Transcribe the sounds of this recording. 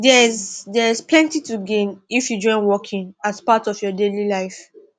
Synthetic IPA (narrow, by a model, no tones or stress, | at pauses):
dɛzdɛɹisplɛ̃ntituɡẽnifjud͡ʒɔ̃ɪ̃nwɔkʰĩŋaspatɔvjɔdelilaɪf